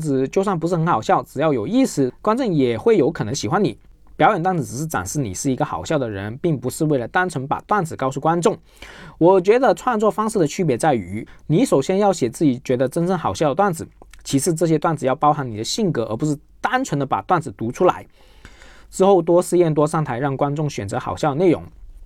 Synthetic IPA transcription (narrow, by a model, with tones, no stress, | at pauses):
d͡zɹ̩˧˩t͡ɕjo˥˧ʊswa˥˩ŋpu˧˥ʂ̬ɻ̩˥˩xə˧˥ŋxɑ˨˩ʊɕjɑ˥˩ʊʈ͡ʂɻ̩˨˩jɑ˥˩ʊjo˨˩ʊi˥˩sɹ̩˥˩kwa˥nt͡sʊ˥˩ŋjɛ˨˩xwe˥˩ɪjo˧˥ʊkʰɤ˨˩nɤ˧˥ŋɕi˨˩xwa˧˥ni˨˩ | pjɑ˧˥jnt̪wa˥˩nd͡zɹ̩˧˩ʈ͡ʂɻ̩˨˩ʂɻ̩˥˩ʈ͡ʂa̰˨˩nʂɻ̩˥˩nḭ˨˩ʂɻ̩˥˩i˧˥ɡə˧xɑ̰˨˩ʊɕjɑ˥˩ʊd̪ə˩ɻə̰˧˥npi˥˩ŋpu˧˥ʂɻ̩˥˧we˥˩ɪlə˩t̪a˥nt͡sʰwə˧˥npa̰˨˩t̪wa˥˩nd͡zɹ̩˨˩kɑ˥˧ʊʂu˥˩kwa˥nʈ͡ʂʊ˥˩ŋ | wɔ˨˩t͡ɕɥɛ˧˥d̪ə˧ʈ͡ʂʰwa˥˧nt͡swɔ˥˧fɑ˥ŋʂɻ̩˥˩d̪ə˩t͡ɕʰy˥p̬jɛ˧˥t͡sa˥˩ɪy̰˧˥ni˧˥ʂo˨˩ʊɕjɛ˥njɑ˥˩ʊɕjɛ˨˩t͡sɹ̩˥˩t͡ɕi˨˩t͡ɕɥɛ˧˥d̪ə˧ʈ͡ʂə˥nʈ͡ʂə˥˩nxɑ˨˩ʊɕjd̪ə˩t̪wa˥˩nd͡zɹ̩˨˩˦t͡ɕʰi˧˥ʂɻ̩˥˧ʈ͡ʂɤ˥˩ɕ̬jɛ˥t̪wa˥˩nd͡zɹ̩˨˩jɑ˥˩ʊpɑ˥ʊxa˧˥nni˨˩d̪ə˦ɕi˥˩ŋkɤ˧˥ə̰˞˧˥pu˧˥ʂɻ̩˥˩t̪a˥nt͡sʰə˧˥nd̪ə˧pa̰˨˩t̪wa˥˩nd͡zɹ̩˨˩t̪u˧˥ʈ͡ʂʰu˥la̰˧˥ɪ | ʈ͡ʂɻ̩˥˧xo˥˩ʊt̪wɔ˥ʂɹ̩˧jɛ˥˩nt̪wɔ˥ʂɑ˥˩ŋt̪ʰa˧˥ɪɻɑ˥˩ŋkwa˥nt͡sʊ˥˩ŋɕɥɛ˨˩nt͡sɤ˧˥xɑ˨˩ʊɕjɑ˥˩ʊə˧ne˥˩ʊ̰˧˥ŋ